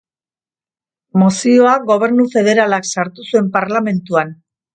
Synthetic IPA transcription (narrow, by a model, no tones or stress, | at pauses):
mosio̞aɡo̞β̞e̞ɾnufe̞ðe̞ɾalaksaɾt̪usue̞mpaɾlame̞nt̪uan